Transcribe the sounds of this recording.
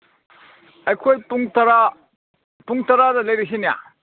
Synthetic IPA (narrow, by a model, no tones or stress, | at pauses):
ɐjkʰojpuŋtɐɾa | puŋtɐɾadɐlɐjɾis̬inija̰